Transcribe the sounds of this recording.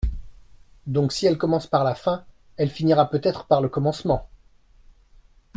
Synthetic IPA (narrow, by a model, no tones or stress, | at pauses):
d̪ɔ̃ksiɛlkɔmɑ̃spaʁlafɛ̃ | ɛlfiniʁapøt̪ɛt̪χə̥paʁləkɔmɑ̃smɑ̃